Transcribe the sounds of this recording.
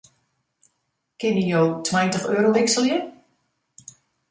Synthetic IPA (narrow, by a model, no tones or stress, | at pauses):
kɪnijowtʰwɛjəntəχøːɾoʋɪksəlˠjə